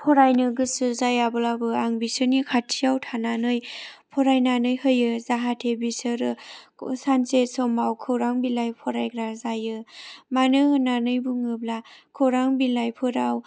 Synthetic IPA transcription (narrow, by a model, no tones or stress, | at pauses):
pʰɔɾajnɯɡɯsɯzajabɯlabɯaŋbisɯnikʰatʰijawtʰananɯjpʰɔɾajnanɯjhɯjɯzaɦatʰebisɯɾɯsansesɔmawkʰɯwɾaŋbilajpʰɔɾajɡɾazajɯmanɯɯnanɯjbuŋɯblakʰɯwɾaŋbilajpʰɯɾaw